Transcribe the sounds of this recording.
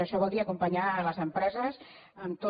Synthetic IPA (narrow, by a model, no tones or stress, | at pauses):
əʃɔβɔlˠd̪iəɐkumpəɲaləzəmpɾɛzəz | əmt̪o